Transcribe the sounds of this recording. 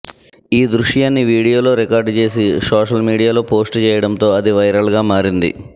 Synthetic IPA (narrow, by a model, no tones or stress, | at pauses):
iːd̪ɾuʂjaːnːiʋiːɽijoːlo̞ːɾekaːɾɖt͡ʃe̞ːs̬isoːʂɐlmiːɽijaːlo̞ːpo̞ːsʈt͡ʃɛːjɐɽɐnt̪o̞ːɐd̪iʋɐjɾaːɭɡaːmaːɾind̪ḭ